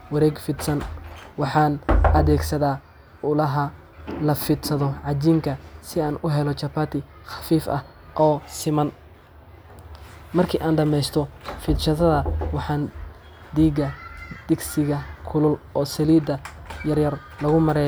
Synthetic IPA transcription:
wɐɾɛːɡfɪd̪sɐnwɑħɑːnʔɐðɛːɡsɐðaː | ʊlɐɦɐ | lɐfɪd̪sɐðɔʕɑt͡ʃiːmkʰɐsɪaːnʊɦɛlɔt͡ʃɐpaːt̪ʰɪ | xɑ̥fiːfʔɐ̰h | ʔɔːsɪmɐn | mɐrkʰiːʔaːnɖɐmɛjst̪ʰɔfɪd̪ʃɐðɐðɐwɑħɑːn | d̪iːɡɐd̪̥ɪɡsɪɣɐkʰʊlʊlɔːsɐliːd̪ɐjɐrjɐr | lɐɣʊmɐɾɛːj

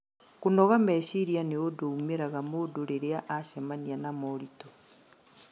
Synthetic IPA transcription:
kunɔɣamɛɕiɾianeodoumeɾaɣamodoɾeɾeaʔaʃamanianamɔɾito

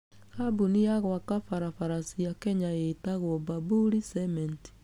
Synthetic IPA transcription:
kabunijaɣwakafaɾafaɾasijakɛɲaetaɣwɔbabuɾisɛmɛnti̥

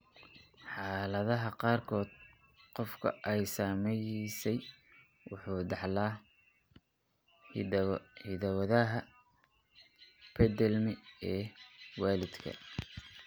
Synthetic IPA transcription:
ħɑːlɐðɐɦɐqɑːrkʰɔːd̪ | qɔfkʰɐ̰ʔɛjsaːmɛjsɛj | wʊħuːd̪ɑħlaː | hɪðɐwɐðɐɦɐ | pʰɛd̪ɛlmɪɛːwɑːlɪd̪kʰɐ̰

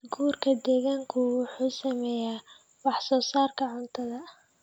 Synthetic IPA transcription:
ɡuːrkʰɐd̪ɛːɣaːŋkʰʊwʊħuːsɐmɛjaː | wɑħsɔːsaːrkʰɐʕʊnt̪ʰɐðɐ

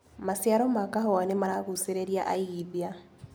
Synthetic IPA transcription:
masjaɾɔmakaɦɔanemaɾaɣuseɾeɾjaʔaiðja

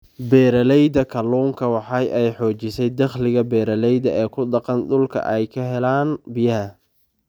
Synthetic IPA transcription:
bɛːɾɐlɛjd̪ɐkʰɐluːŋkʰɐwɑħɑjʔɛjħɔːt͡ʃɪsɛjd̪ɐχlɪɣɐbɛːɾɐlɛjðɐʔɛːkʰʊɖɑqɑnɖ̪ʊlkʰɐ̰ʔɛjkʰɐɦɛlaːnbɪjɐɦɐ

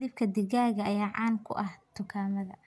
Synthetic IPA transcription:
ib̚kʰɐd̪ɪɣaːɣɐɐjaːʕɑ̰ːnkʰʊ̰ʔɐht̪ʰʊkʰaːmɐðɐ̰

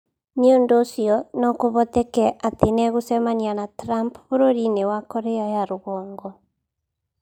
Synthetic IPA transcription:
neondoːsiɔnɔkoβɔt̪ɛkɛʔatenɛɣosɛmanianatɾampβoɾoɾinewakɔɾɛajaɾoɣɔːŋɡɔ

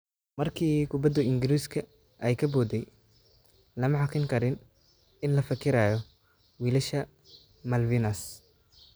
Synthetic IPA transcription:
mɐrkʰiːkʰʊbɐd̪ɐɪŋɡɪɾiːskʰɐ | ʔɛjkʰɐbɔːd̪ɛj | lɐmɐħɑkʰɪŋkʰɐɾɪn | ɪnlɐfɐkʰɪɾaːjɔ | wiːlɐʃɐ | mɐlvinɐs

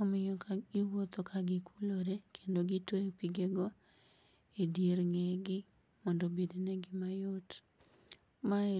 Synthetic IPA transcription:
omɪɲokaɡɪwot̪okʰaɡɪkʰuloɾekʰendoɡɪtejpiɡeɡɔ | edeɾŋeɡɪ | mɔndobedonɛɡɪmajot | ma

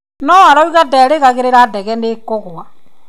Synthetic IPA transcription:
nɔwaɾɔuɣadɛɾeɣaɣeɾeɾadɛɣɛneːkɔɣwa

